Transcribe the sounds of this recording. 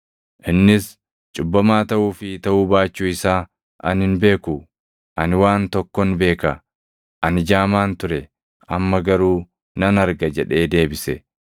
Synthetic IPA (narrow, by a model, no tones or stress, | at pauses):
ʔɪnːɪs | t͡ʃʼʊbːɐmaːt̪ɐʔuːfɪt̪ɐʔuːbaːt͡ʃːuːɪsaː | ʔɐ̰nhɪnbe̞ːkʊ | ʔɐnwaːnt̪ɔkːɔnbe̞ːkɐ | ʔɐnɪd͡ʒaːmaːnt̪ʊɾɛ | ʔɐmːɐɡɐɾuː | nɐnɐɾɡɐd͡ʒɛᶑe̞ːd̪e̞ːbɪsɛ